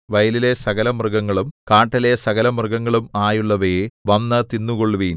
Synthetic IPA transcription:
ʋɐjɐlile̞sɐɣɐlɐmrɨɡɐŋːɐɭumkaːʈːɐlesɐɣɐlɐmrɨɣɐŋːɐɭumaːjuɭːɐʋeʋɐnːɐt̪inːuɣoɭːʋiːn

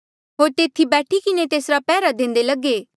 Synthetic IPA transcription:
ɦoːɾt̪eːt̪ʰibɛːʈʰikɪnet̪eːsɾapɛːɾad̪ẽːn̆d̪elɐɡeː

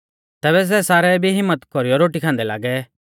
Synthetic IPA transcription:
t̪ɛːbɛs̬ɛːsaːɾɛbʱiɦɪmːət̪kɔɾijɔɾoːʈikʰãːnd̪ɛla̰ːɡɛ

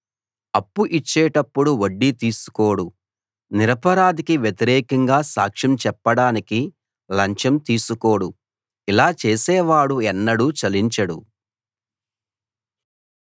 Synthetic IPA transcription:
ɐpːuʔit͡ʃːɛːʈɐpːuɽuoɖːit̪iːsu̥ko̞ːɽu | niɾɐpɐɾaːd̪ikiʋjet̪iɾɛːkɐŋɡaːsa̰ːkʂɐmt͡ʃɛpːɐɽaːniki | lɐɲt͡ʃɐmt̪iːsuko̞ːɽu | ilaːt͡ʃeːsɛːʋaːɽuɛnːɐɽut͡ʃɐliɲt͡ʃɐɽṵ

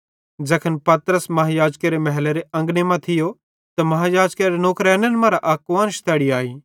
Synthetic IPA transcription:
d͡ʒɐkʰənpɐt̪ɾəsmɐɦajaːd͡ʒkeɾemɐɦleɾeɐ̃ŋɡnemãt̪ʰɪjo | t̪amɐɦajaːd͡ʒkeɾenoːkɾɛːnenmãːɾaʔaːkʋaːnʃt̪ʰɛːɽiaːiː

